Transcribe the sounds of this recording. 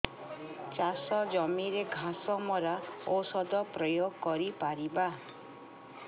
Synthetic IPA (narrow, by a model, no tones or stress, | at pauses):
t͡ʃasɔd͡ʒɔmiɾeɡʱãsɔmɔɾaosɔd̪ɔpɾɔjoɡkɔɾipaɾiba